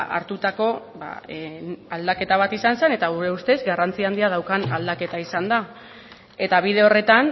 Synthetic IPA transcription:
a̰ɾt̪ut̪ako̞ | ba̰ | ald̪ake̞t̪aβ̞at̪isansene̞t̪aɣ̞uɾe̞ust̪e̞zɡarant͡siaːnd̪iað̞awkanald̪ake̞t̪aisand̪a | e̞t̪aβ̞ið̞e̞o̞re̞t̪an

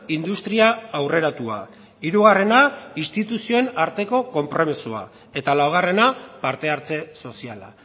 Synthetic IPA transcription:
ind̪ust̪ɾiaːwre̞ɾat̪ua̰ | iɾuɣ̞are̞nainst̪it̪usio̞e̞naɾt̪e̞ko̞ko̞mpɾo̞misua̰ | e̞t̪alawɣ̞are̞napaɾt̪e̞aɾt͡se̞so̞siala̰

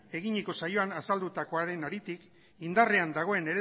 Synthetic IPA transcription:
e̞ɣ̞iɲeko̞sajo̞anasald̪ut̪ako̞aɾe̞naɾit̪ik | ind̪are̞and̪aɣ̞o̞e̞ne̞ɾe

